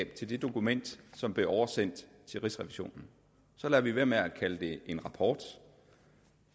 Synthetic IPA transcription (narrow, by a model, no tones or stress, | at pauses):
b̥̚t͡sʰe̝ld̥e̝d̥o̝kumen̰d̥sɒ̽mb̥le̝ʔɒʊɐsen̰d̥ | t͡sʰe̝lʁisʁɛʋiɕo̝̰ːnn̩ | sɒ̽læɐʋiʋeɐmeækʰæləd̥e̝ʔe̝nʁɑ̈pʰɒːd̥